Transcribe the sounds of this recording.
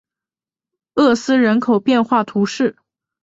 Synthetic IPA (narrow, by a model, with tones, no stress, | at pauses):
ɤ˥˩sɹ̩˥ɻə˧˥nkʰo˨˩ʊpjɛ˥˧nxwa˥˩t̪ʰu˧˥ʂɻ̩˥˩